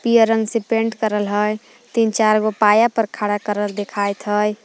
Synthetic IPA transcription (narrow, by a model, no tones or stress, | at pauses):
pijəɾəŋɡsẽpeɳɖkəɾəlɦəj | t̪int͡ʃaɾɡopajapəɾkʰaɽakəɾəld̪ekʰajt̪ɦəj